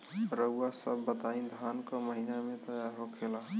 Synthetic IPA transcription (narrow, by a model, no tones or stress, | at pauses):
ɾəuwasəbːət̪aĩd̪ʱankəməɦinamẽt̪əjaɾɦokʰela